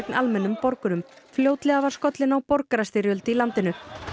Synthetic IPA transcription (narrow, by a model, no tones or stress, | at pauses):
knʔa̰lmɛnːʏmpɔɾkʏɾʏmfljoːwt̪lɛɣavḁskɔt̪lɪnawpɔɾkaɾast̪ɪɾjœlt̪ɪilant̪ɪnʏ